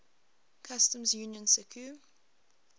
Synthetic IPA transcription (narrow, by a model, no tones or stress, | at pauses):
kʰastə̃mzjuːnjə̃nsɪkʰu